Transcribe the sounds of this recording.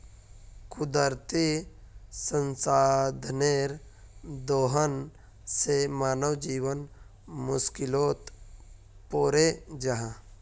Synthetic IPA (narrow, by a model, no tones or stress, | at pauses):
kʊd̪əɾt̪i | sə̃nsaːd̪ʱneɾd̪oːɦən | semaːnəwd͡ʒiːʋən | mʊskɪloːt̪ | poːɾed͡ʒəɦã